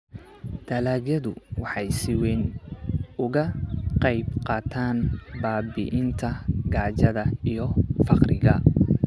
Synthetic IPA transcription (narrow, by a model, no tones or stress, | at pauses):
d̪̥ɐlaːɣjɐðʊwɑħɑjsɪwɛn | ʊɣɐqɑjbqɑːt̪ʰaːnbaːbɪʔɪnt̪ʰɐɡaːʕt͡ʃɐðɐijɞfɑqrɪɣɐ